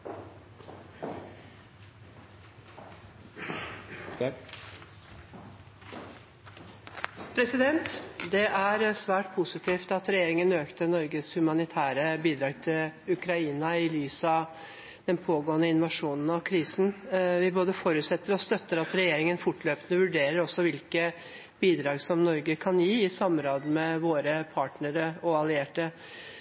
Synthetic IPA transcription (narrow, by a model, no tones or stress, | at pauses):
pʰɾɛsɪd̪ɛnt̪d̪ɛʔæɾsʋæːʈpʰʊsɪt̪ʰiːft̪ɑt̪ɾɛjeːɾɪŋənøːkt̪ənɔɾɡəshʉmɑnɪt̪ʰæːɾəbiːd̪ɾɑːɡ̚t̪ʰɪlʉkɾɑiːnɑɪlyːsɑ | d̪̥ɛnpʰoːɡoːənəɪnʊʋɑʂuːnn̩ɑkʰɾiːsnʋɪboːd̪əfɔɾʉːt̪sɛt̪ːəɾɔst̪œt̪ːəɾɑt̪ɾɛjeːɾɪŋənfʊʈːløːpənəʋʉɖeːɾəɾɔsːɔʋɪlkə | b̥iːd̪ɾɑːɡsɔmnɔɾɡəkʰɑnjiːɪsɑmɾoːd̪mɛʋoːɾəpʰɑːʈnəɾəɔɑlɪeːʈə